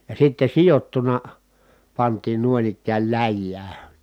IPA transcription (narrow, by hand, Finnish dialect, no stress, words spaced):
jɑ sitːe sijotːunɑ pɑntiːn nuoĭn ikːæːl læjːæː